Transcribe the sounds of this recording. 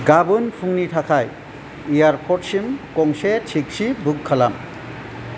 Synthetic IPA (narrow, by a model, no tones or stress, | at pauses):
ɡabunpʰuŋnitʰakʰaj | ijaɾpʰɔʈ̚simkɔŋsetʰik̚sibukkʰːala̰m